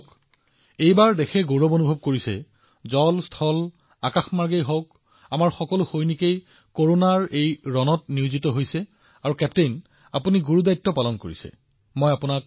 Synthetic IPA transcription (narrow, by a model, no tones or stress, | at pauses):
k | ejbaɹdɛxʰɛɡoɹɔbonubʱɔb̚koɹisɛ̰ | zɔlstʰɔl | akaxmaɹɡejɦɔk | amaɹxɔkɔlʊxojnikej | koɹonaɹejɹɔnɔt̚niʊzitɔɦojsɛ | aɹukɛptejn | apuniɡuɹudajtːɔpalɔnko̰ɹḭsɛ̰ | mojapunak̚